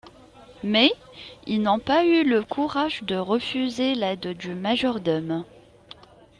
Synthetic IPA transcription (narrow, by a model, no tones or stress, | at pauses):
mɛ | ilnɔ̃payləkʰuʁaʒd̪əʁəfyzelɛd̪d̪ymaʒɔʁd̪ɔm